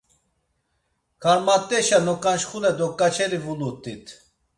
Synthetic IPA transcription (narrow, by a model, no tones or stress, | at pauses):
kʰaɾmat̪ʼːɛʃanɔkʼanʃχunɛd̪ɔkʼːat͡ʃʰɛɾivulut̪ʼit̪ʰ